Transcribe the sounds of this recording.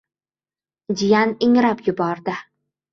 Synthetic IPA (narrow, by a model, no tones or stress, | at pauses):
d͡ʒɪjanɪŋɾapjʊbɒɾd̪ɪ